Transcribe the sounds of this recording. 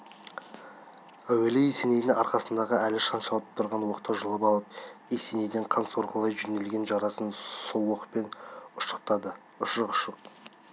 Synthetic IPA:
æwelɪjese̞ne̞jd̪ɪŋɑɾqɑsənd̪ɑʁəælɪʃɑnʃɑlˠəp̚t̪ʰʊɾʁɑnwoqt̪əʒəlˠəpɑlˠəp̚ese̞ne̞jd̪ɪɴqʰɑnso̞ɾʁəlˠɑjʒʏne̞lɡʲe̞nʒɑɾɑsənsowoqət̚pe̞nʊʃə̥q̚t̪ɑd̪ə | ʊʃəqʊʃəq̚

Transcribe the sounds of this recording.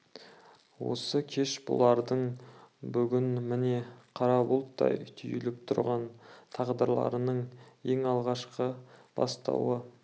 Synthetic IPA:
wo̞̰səkʲʰe̞ʃbʊ̰lˠɑɾd̪əɴbʏɡʲɪnmɪne̞qʰɑɾɑbʊlˠt̪ːɑ̰jt̪ʲʰʏjɪlɪp̚t̪ʰʊɾʁɑnt̪ʰɑʁd̪əɾlˠɑ̰ɾənəɴe̞ŋɑlˠʁɑʃqəb̥ɑ̰st̪ɑ̰wə

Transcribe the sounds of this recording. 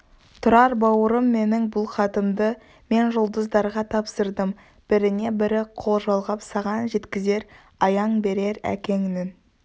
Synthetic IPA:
t̪ʰʊɾɑɾbɑwəɾəmːe̞nɪŋbʊlˠχɑt̪əmd̪ə | me̞nʒʊlˠd̪əzd̪ɑɾʁɑt̪ʰɑpsəɾd̪əm | b̥ɪɾɪne̞bɪɾɪqʰo̞lˠʒɑlˠʁɑpsɑʁɑnʒe̞t̪kʲɪze̞ɾ | ɑjɑɴbe̞ɾe̞ɾæ̰kʲe̞ŋnɪn

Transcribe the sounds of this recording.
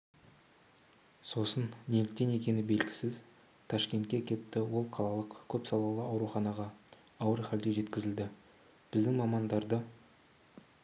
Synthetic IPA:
so̞sənːe̞lɪk̚t̪e̞ne̞kʲe̞nɪbe̞lɡʲɪ̥sɪz | t̪ʰɑʃkʲe̞nt̪̚kʲekʲʰe̞p̪t̪ːɪwo̞lˠqʰɑlˠɑlˠəqkʲʰɵpsɑlˠɑlˠəɑwɾuχɑnɑʁɑː | wəɾχæld̪eʒe̞t̪kʲɪzɪld̪ɪ | b̥ɪzd̪ɪŋmɑmɑnd̪ɑɾd̪ə

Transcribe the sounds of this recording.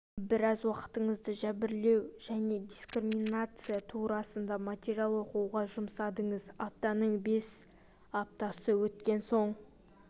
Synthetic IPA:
bɪɾɑzwɑqə̥t̪əɴəzd̪əʒæbɪɾle̞wʒæne̞d̪ʲiskriminat̪sɨjat̪ʰuɾɑsənd̪ɑmat̪ʲeɾijalˠoquʁɑʒʊmsɑd̪əɴəzap̚t̪ɑnəɴbe̞s | ap̚t̪ɑsəwɵt̪kʲe̞nso̞ɴ

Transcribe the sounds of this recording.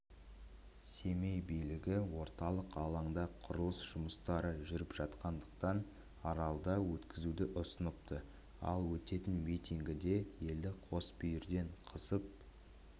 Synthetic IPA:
se̞mejbijlɪɡʲɪwo̞ɾt̪ɑlˠəqɑlˠɑɴd̪ɑqʰʊɾəlˠəsʒ̥ʊməst̪ɑɾəʒʏɾɪpʒ̥ɑt̪qɑnd̪əqt̪ɑn | ɑɾɑlˠd̪ɑwɵt̪kʲɪzud̪ɪʔʊsənəp̚t̪ʰə | ɑ̰lˠwɵt̪e̞t̪ɪnmijt̪iŋɡʲɪd̪e̞je̞ld̪ɪqʰo̞sbʏjɪɾd̪e̞ɴqʰəsəp̚

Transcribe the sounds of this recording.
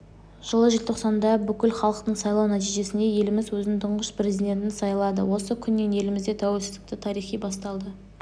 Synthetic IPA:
ʒ̥əlˠəʒelt̪ʰo̞qsɑnd̪ɑbʏkʲɪlχɑlˠəqt̪əɴsɑjlˠɑwnæt̪ijʒe̞sɪne̞je̞lɪmɪzwɵznɪŋt̪ʰʊɴʁəspʰɾe̞zid̪ʲe̞nt̪̬ɪnsɑjlˠɑd̪ə̰wo̞səkʲʰʏnːe̞nje̞lɪmɪzd̪e̞t̪ʰæwelsɪzd̪ɪkt̪ɪt̪ʰɑɾijχijbɑst̪ɑlˠd̪ə

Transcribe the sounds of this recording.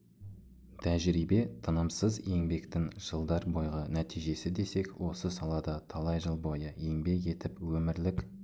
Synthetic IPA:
t̪ʰæʒɾibe̞t̪ʰənəmsəzje̞ŋbe̞kt̪ɪŋʒ̥əlˠd̪ɑɾbo̞jʁənæt̪ʰijʒe̞sɪd̪e̞se̞kwʔo̞səsɑlˠɑd̪ɑt̪ʰɑlˠɑjʒəlˠbo̞jəje̞ŋbe̞ke̞t̪ɪpwɵmɪɾlɪk

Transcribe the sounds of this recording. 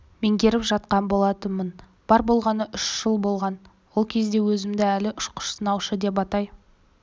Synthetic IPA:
me̞ŋɡʲe̞ɾɪpʒɑt̪qɑnbo̞lˠɑt̪əmən | b̥ɑɾbo̞lˠʁɑnəʔʏʃʒ̥əlˠbo̞lˠʁɑn | wo̞lˠkʲʰe̞zd̪e̞wɵzɪmd̪ɪælɪʔʊʃqʰʊ̥ʃsənɑwʃəd̪e̞p̬ɑt̪ɑj

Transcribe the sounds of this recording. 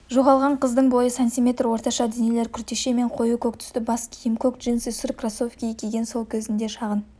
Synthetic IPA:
ʒoʁɑlˠʁɑɴqʰəzd̪əɴbo̞jəsant̪imʲe̞t̪rwo̞ɾt̪ɑʃɑd̪enele̞ɾkʲʰʏɾt̪e̞ʃe̞me̞ɴqʰo̞jukʲʰɵk̚t̪ʰʏ̥st̪ɪbɑskʲʰijəmkʲʰokʒinsɪsʏɾkrasofkʲijkʲʰeɡʲe̞nso̞lˠkʲʰɵzɪnd̪e̞ʃɑʁən

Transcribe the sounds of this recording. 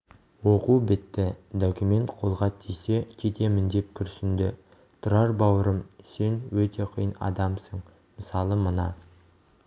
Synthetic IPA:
wo̞qubɪt̪ːɪd̪okʲumʲe̞nt̪qʰo̞lˠʁɑt̪ʰijse̞kʲʰed̪e̞mɪnd̪e̞p̚kʲʰʏɾsɪnd̪ɪ | t̪ʰʊɾɑɾbɑwəɾəmse̞nwɵt̪ʰe̞qʰijənɑ̰d̪ɑmsəɴ | məsɑlˠəmənɑ

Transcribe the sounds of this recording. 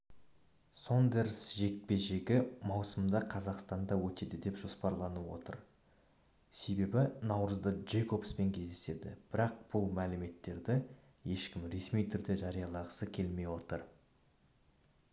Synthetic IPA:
so̞nd̪e̞ɾsʒe̞k̚pe̞ʒe̞ɡʲɪmɑwsəmd̪ɑqʰɑzɑqst̪ɑnd̪ɑwɵt̪e̞d̪ɪd̪e̞pʒ̥o̞spɑɾlˠɑnəwo̞t̪ə̰ɾ | se̞be̞bɪnɑwɾəzd̪əʒejko̞pspe̞ŋkʲʰe̞zd̪ese̞d̪ɪb̥ɪɾɑq̚b̥ʊlˠmælɪme̞t̪ːe̞ɾd̪ɪ | je̞ʃkʲɪmɾe̞smijt̪ʰʏɾd̪e̞ʒɑɾijɑlˠɑʁəsəkʲʰe̞lme̞jwo̞t̪əɾ

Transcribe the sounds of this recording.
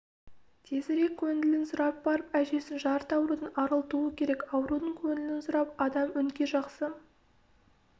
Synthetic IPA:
t̪ʰe̞zɪɾe̞kʲʰːɵnd̪ɪlɪnsʊɾɑp̚bɑɾəpæʒe̞sɪnʒɑɾt̪ɑwɾud̪ənɑɾəlˠt̪uəkʲʰe̞ɾe̞kɑwɾud̪əŋkʲʰɵnd̪ɪlɪnsʊɾɑp̚ɑd̪ɑmʏnkʲe̞ʒɑqsə

